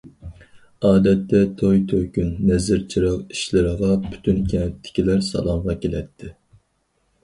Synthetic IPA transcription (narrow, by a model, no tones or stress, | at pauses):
ɑːd̪ɛt̪ːɛt̪ʰojt̪ʰøkʲynːɛzɪɾt͡ʃʰiɾəqi̥ʃlɪɾɪʁɑpʰy̥t̪ʰynkʲʰɛnɛt̪ʰːɪ̥kʲilæɾsɑ̰lˠɑmʁɑkʲʰelɛt̪ʰːɪ